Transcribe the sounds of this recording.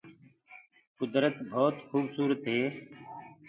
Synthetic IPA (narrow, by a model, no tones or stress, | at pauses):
kʊd̪ɾət̪bʱoːt̪xuːbsuːɾət̪ɦeː